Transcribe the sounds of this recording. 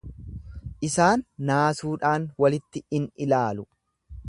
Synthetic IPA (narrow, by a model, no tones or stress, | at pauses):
ʔɪsaːnːaːsuːᶑaːnwɐlɪt̪ːɪɪnɪlaːlʊ